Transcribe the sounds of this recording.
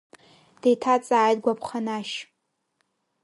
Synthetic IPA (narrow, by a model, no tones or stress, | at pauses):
d̥ejtʰat͡sʼaːjd̚ɡʷapʰχanaʃ